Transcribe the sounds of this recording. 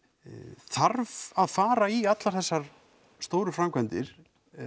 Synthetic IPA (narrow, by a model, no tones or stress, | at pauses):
θaɾvaðfaːɾaiat̪laɾ̥θɛsːaɾ̥ | st̪oːwɾʏfɾamkʰvɛnt̪ɪɾ̥